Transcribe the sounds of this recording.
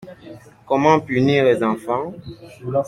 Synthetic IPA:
kɔmɑ̃pyniːʁlezɑ̃fɑ̃

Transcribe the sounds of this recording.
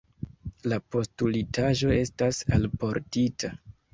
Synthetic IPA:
lapo̞stulitʰaʒo̞e̞stasalpo̞ɾtitʰa

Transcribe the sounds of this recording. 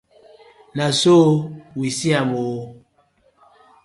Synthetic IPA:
nasowisiamoo

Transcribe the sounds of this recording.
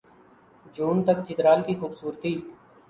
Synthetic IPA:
d͡ʒuːnt̪əkt͡ʃɪt̪ɾaːlkixuːbsuːɾt̪iː

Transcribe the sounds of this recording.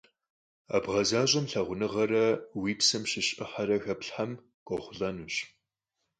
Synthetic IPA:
a̰bʁɐzaːɕʼɐmɬɐʁʷʊnɨʁɐrɐwiːpsɐmʃɪɕʼɨħaɾɐxɐpɬħam | kʷʼɔχʷʊɮɐnuːɕ

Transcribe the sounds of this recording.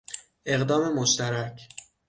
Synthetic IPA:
e̞ɣd̪ɒːme̞moʃt̪æɾæcʰ

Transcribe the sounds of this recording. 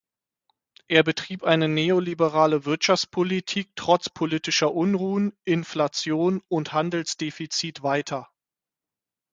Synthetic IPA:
ʔeːɐbətʁ̥iːpʔaɪnəneːolibəʁaːləvɪɐtʃaft͡spʰolitʰiːk̚tʁ̥ɔt͡spʰoliːtɪʃɐʔʊnʁuːənʔɪnflat͡sjoːnʊnthandl̩sd̥efit͡siːtv̥aɪtʰɐ

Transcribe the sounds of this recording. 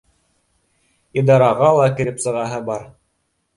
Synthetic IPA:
id̪ɑɾɑʁɑlˠɑkɘ̆ɾɘpsɤ̆ʁɑɦɤbɑɾ

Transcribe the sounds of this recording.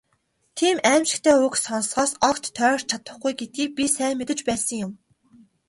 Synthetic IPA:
t̪ʰiːmæːmʃɪ̥̆kt̪ʰeːʊksɔn̆sʁɔːsɔkt̪ʰːœːrt͡ɕʰat̪ə̆χɡujɡet̪̚ɡiːk̚pʲisæːmet̪ɘ̆t͡ɕpæːsə̆ŋjʊm

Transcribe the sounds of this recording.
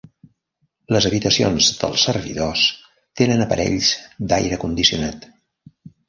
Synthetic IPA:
ləzəβit̪əsio̰nzd̪ə̰lˠsərβḭðos | t̪enənəpəɾɛ̰ʎzd̪ajɾəkund̪isiunat̪

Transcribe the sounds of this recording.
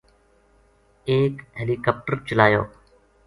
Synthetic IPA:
eːkɦeːliːkɔːp̚ʈəɾt͡ʃəlaːjo̰ː

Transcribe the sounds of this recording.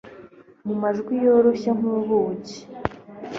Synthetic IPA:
mumaʒɡwijoɾoɕaŋ̥uβuci̥

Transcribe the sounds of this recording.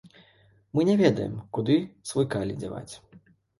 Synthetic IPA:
mɨnʲɛvʲɛd̪ɐ̰jɛ̰mkud̪ɨsvɨjkalʲḭd͡zʲava̰t͡sʲ

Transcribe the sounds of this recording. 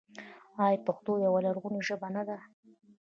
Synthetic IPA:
ɑjpaxt̪ojawalaɾɣuniʒəbanad̪a

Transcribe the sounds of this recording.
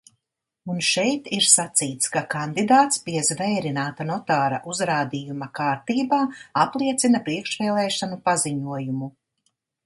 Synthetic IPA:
unʃɛjt̪iɾsat̪siːt̪skakand̪id̪aːt̪spijɐzvɛjɾinaːt̪anɔt̪aːɾa̰ʔuzɾaːd̪ijumɐkaːɾt̪iːbaːaplˠiɛt̪sinɐpɾiɛkʃvɛːlˠɛːʃanupaziɲuɔjumu

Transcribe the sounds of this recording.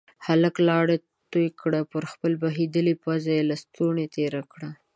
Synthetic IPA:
haləklɑɽe | t̪ojkɽapəɾxpəlbaɦid̪əlipazajelast̪uɳet̪eɾakɽa

